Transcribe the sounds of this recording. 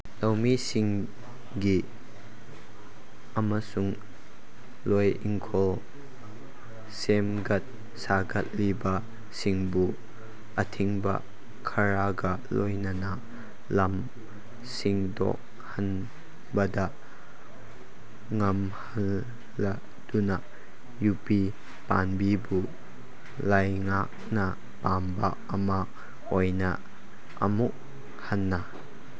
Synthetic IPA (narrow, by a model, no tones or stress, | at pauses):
lɐwmisɪŋ | ɡi | ʔɐmasuŋ | lɔjʔiŋkʰɔl | semɡɐt̪̚ | saɡɐt̚liba | siŋbu | ʔət̪ʰiŋbɐ̰ | kʰɐɾaɡa | lɔjnɐna | lɐm | siŋdɔ̰k̚ | hɐn | bɐdɐʔ | ŋɐmhanː | a | d̥unɐ | jupi | panbibu | lajŋak̚nɐ | pamba | ɐma | ojnɐ | ʔɐ̰muʔ̚ | hɐnːɐ